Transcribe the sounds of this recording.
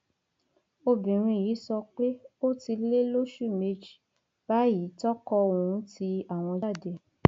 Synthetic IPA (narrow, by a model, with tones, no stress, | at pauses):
o˧bĩ˨ɾ̃ĩ˧ji˨˦sɔ˧k͡pe˦o˦ti˧le˦lo˦ʃu˦˨me˧d͡ʒi˨ | b̥a˨˦ji˨˦tɔ˦kɔ˧ũ˨˦ti˧a˦˨w̃ɔ̃˧d͡ʒa˦˨de˧